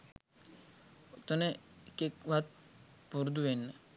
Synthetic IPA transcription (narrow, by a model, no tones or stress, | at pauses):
t̪ənekekʋat̪̚puɾd̪uʋenːə